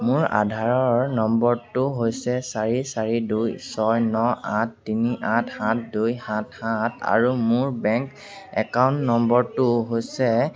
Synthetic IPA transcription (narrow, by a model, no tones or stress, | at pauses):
mʊɹa̰dʱaɹɔɹnɔmbɔɹtuɦojsɛsaɹisaɹidujsɔjnɔãtːiniʔãthãtdujhãthãtʰa̰ɹumʊɹbɛŋk | ɛ̰kawntnɔmbɔɹtuɦojsɛ